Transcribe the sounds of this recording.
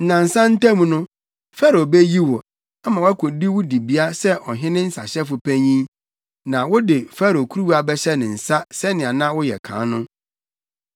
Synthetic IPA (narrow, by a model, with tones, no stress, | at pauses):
n̩˦nã˨n̩˨sã˦n̩˦tʰa˦mũ˨nʊ̃˦ | fa˦ɾo˨be˦ji˦wɔ˨ | a˦mã˨wʊ˦æ˦kʰʊ˨di˦wʊ˦di˨bi˦a˦sɛ˦ʔɔ˨ɦɪ̃˦nɪ̃˦n̩˦sa˨ɕɛ˦fʊ˨pʰæ˦ɲĩ˦ | nã˨wʊ˦dɪ˨fa˦ɾo˨kʰu˦ɾu˦wu˦a˨bɛ˦ɕɛ˦nɪ̃˨n̩˨sa˦sɛ˦nɪ̃˨a˨nã˦wʊ˦jɛ˨kʰã̰ː˨˦nʊ̃˦